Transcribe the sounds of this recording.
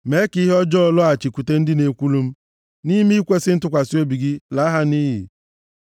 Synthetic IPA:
me˨˦ki˦ɦɔ˦d͡ʒɔ˦˨lɔ˦a˨t͡ʃi˨ku˨te˦n̩˦dɪ˦ne˨kʷu˦lu˦m̩˦ | ni˦m˦kʷe˦sɪ˦n̩˦tʊ˦kʷa˨si˦o˦bi˨ɡi˦la˨˦ɦa˦ni˦ɦḭ˨

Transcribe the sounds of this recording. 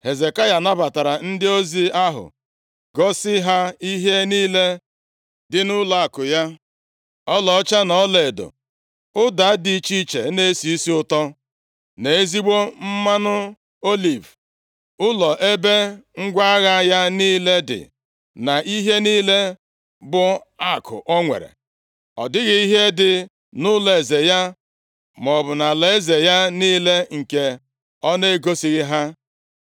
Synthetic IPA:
he˨ze˨ka˦ja˨na˦ba˨ta˨ɾa˨n̩˦dɪ˦o˦zi˦a˦ɦʊ̰˨ | ɡɔ˦sɪ˦ɦa˦i˦ɦe˦niː˦le˦ | dɪ˦nʊ˦la˨a˨kʊ˨ja˦ | ɔ˦lɔ˨ɔ˦t͡ʃa˦nɔ˨˦le˨do̰˨ | ʊ˦da˨˦di˨˦t͡ʃi˦t͡ʃḛ˨˦ne˦si˨i˦si˦ʊ˦tɔ˦ | ne˨e˦zi˦ɡ͡bo˦m̩˦ma˦nʊ˦ | o˦li˨v | ʊ˦lɔ˨ʔe˦be˦ŋ̩˦ɡʷa˦ɣa˦ja˦niː˦le˦dɪ̰˨ | na˨ʔi˦ɦe˦niː˦le˦ | bʊ˨a˦˨kʰʊ̰˨ʔɔ˦ŋʷḛ˨ɾḛ˨ | ɔ̰˨dɪ˦ɣɪ˦i˦ɦe˦dɪ˨ | nʊ˦le˨ze˨ja˦ | mɔ˨bʊ˨na˨le˨˦ze˨ja˦niː˦le˦ŋ̩˨ke˦ | ɔ˦ne˦ɡo˦si˨ɣɪ˦ɦa˦

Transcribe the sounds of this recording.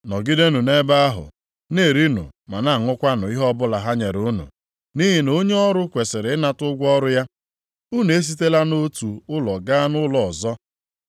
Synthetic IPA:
nɔ˨ɡi˦de˦nu˨ne˦ba˦a˦ɦʊ̰˨ | ne˦˨ɾi˦nṵ˨ma˨na˦˨ŋʊ˦kʷa˦nʊ˨i˦ɦɔ˦bʊ˦la˨ɦa˦ɲe˨ɾu˨˦nṵ˨ | ni˦ɦi˨no˦ɲe˦ɔ˦ɾʊ˦kʷe˨sɪ˨ɾɪ˨ɪ˦na˨tʊ˦ɡʷɔ˦ɾʊ˦ja˦ | u˦ne˨˦s̬i˦te˦la˦no˦tu˨ʊ˦lɔ˨ɡa˦nʊ˦lɔ˨zɔ˦

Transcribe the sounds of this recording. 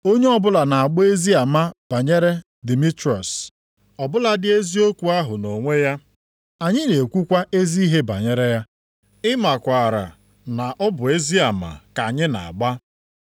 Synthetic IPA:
o˦ɲe˦ɔ˦bʊ˦la˨na˨a˨ɡ͡bɔ˦e˦zi˦a˨ma˦b̥a˨ɲe˦ɾe˦ | di˨mi˦tɾɔ˨s | ɔ˨bʊ˦la˨dɪ˦e˦zi˦o˦kʷu˨a˦ɦʊ˨no˨ŋʷe˦ja˦ | a˨ɲɪ˦ne˨kʷu˦kʷa˦ʔe˦zi˦i˦ɦe˦ba̰˨ɲe˦ɾe˦ja˦ | ɪ˦ma˨kʷa˨ɾa̰˨ | na˨ʔɔ˦bʊ˨e˦zi˦a˨ma̰˨ka˨ɲɪ˦na̰˨a̰˨ɡ͡ba˦

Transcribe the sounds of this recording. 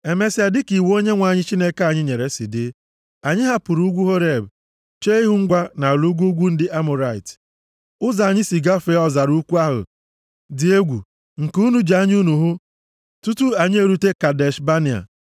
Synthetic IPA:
e˨me˨˦sa˨dɪ˦ki˨wo˦ɲe˦ŋʷa˨ɲɪ˦t͡ʃi˦ne˦ka˨ɲɪ˦ɲe˨ɾe˨sɪ˨dɪ˦ | a˨ɲɪ˦ɦa˦pʊ˨ɾu˦ɡʷu˦ɦo˦ɾe˨b | t͡ʃe˦ɦʊ˦ŋ̩˦ɡʷa˦na˨lu˦ɡʷu˦ɡʷu˦n̩˦dɪ˦ʔa˦mʊ˨ɾa˨ɪ̰˨t | ʊ˦za˨ɲɪ˦si˨ɡa˦fe˦ɔ˦za˨ɾu˦kʷu˦a˦ɦʊ̰˨ | dɪ˨e˦ɡʷṵ˨ | ŋ̩˨ku˦nu˨d͡ʒa˦ɲɪ˦u˦nu˨ɦʊ˦ | tu˦tu˦a˨ɲɪ˦e˨ɾu˦te˦ka˨de˨ʃba˦nɪ˨a̰˨

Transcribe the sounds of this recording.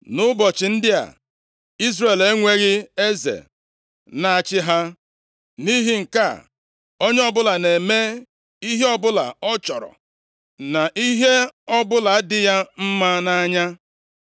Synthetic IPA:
nʊ˦bɔ˨t͡ʃɪ˨n̩˦dɪ˦a̰˨ | i˦zre˨le˦ŋʷe˦ɣɪ˦e˦zḛ˨ | na˨a˨t͡ʃɪ˦ɦa˦ | ni˦ɦi˦ŋ̩˨ka˦˨ | o˦ɲe˦ɔ˦bʊ˦la˨ne˨me˦ | i˦ɦe˦ɔ˦bʊ˦la̰˨ɔ˦t͡ʃɔ˨ɾɔ̰˨ | na˨ʔi˦ɦe˦ɔ˦bʊ˦la˨a˦dɪ˦ja˦m̩˦ma˦na˦ɲa˦

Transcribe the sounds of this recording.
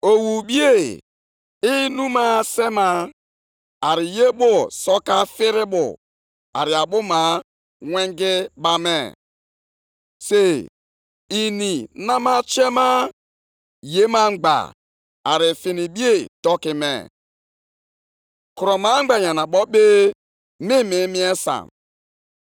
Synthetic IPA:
o˨wu˨bi˦e˦˨ | i˦nu˦ma˦se˦ma˦ | a˨ɾɪ˨je˦bʊ˦sɔ˦ka˦fɪ˦ɾɪ˦bʊ̰˨ | a̰˨ɾɪ˨a˨bʊ˦ma˨ | ŋʷɛ˦ŋɡɪ˦ba˦mɛ̰˦˨ | se˨ | i˨ni˨na˦ma˦t͡ʃe˦ma˦ | je˦ma˦ŋ͡m̩˦ɡ͡ba̰˨ | a˨ɾɪ˨fi˨ni˨bi˦e˦˨dɔ˦kɪ˨mɛ̰˨ | ku˨ɾɔ˨ma˨˦ŋ͡m̩˦ɡ͡ba˨ɲa˨na˨ɓɔ˦be˦ | mi˦mi˨˦mi˦e˦sa̰˨m

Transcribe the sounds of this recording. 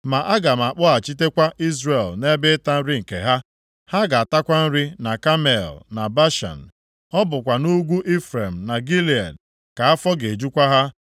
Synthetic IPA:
ma˨ʔa˦ɡa˨m˨a˨k͡pʊ˦a˨t͡ʃi˦te˦kʷa˦ʔi˦zɾe˨lne˦bɪ˦ta˦n̩˦ɾɪ˦ŋ̩˨kḛ˨ɦa˦ | ha˦ɡa˨a˨ta˦kʷa˦n̩˦ɾɪ˦na˨ka˦me˨lna˨ba˦ʃa̰˨n̩˨ | ɔ˦bʊ˨kʷa˨nu˦ɡʷu˦ʔi˦fɾe˨m̩˨na˨ɡi˦li˨a̰˨d | ka˨a˦fɔ˦ɡe˨d͡ʒu˦kʷa˦ɦa˦

